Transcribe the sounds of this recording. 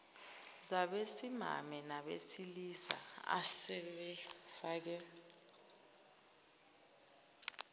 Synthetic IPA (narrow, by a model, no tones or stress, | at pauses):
zaɓesima̰mɛnaɓḛsilisa̰a̰sɛɓɛfak̬ɛ